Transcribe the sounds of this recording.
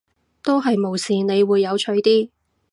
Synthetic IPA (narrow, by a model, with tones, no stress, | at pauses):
t̪o˥wɦɐ˨jmo˨˩wsiː˨ne˨˧jwuː˨˧jːɐ˨˧wt͡ʃʰɵ˨˧ɥt̪iː˥